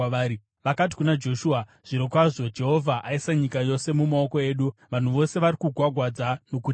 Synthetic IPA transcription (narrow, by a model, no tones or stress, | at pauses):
aːi | ʋakat̬i̥kunad͡ʒo̞ʃua | ʐ̥iɾo̞kwaʐo̞d͡ʒe̞ɦo̞vʱaʔaisaɲikajo̞se̞mumao̞ko̞e̞ːɗuʋan̤uʋo̞se̞ʋaɾikuɡʱwaɡʱwad͡zano̞kut